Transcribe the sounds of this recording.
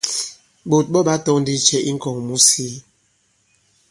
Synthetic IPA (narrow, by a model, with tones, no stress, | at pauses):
ɓo˨t̚ɓɔ˦ɓa˦tɔ˦n̩˦di˦t͡ʃɛ˦ʔi˦ŋ̩˦kɔ˨ŋmu˦siː˦